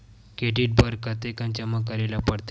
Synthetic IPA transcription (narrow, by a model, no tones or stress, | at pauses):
keɖiːʈ̚bəɾkat̪ekãɲt͡ɕjaməkaɾelapəɽt̪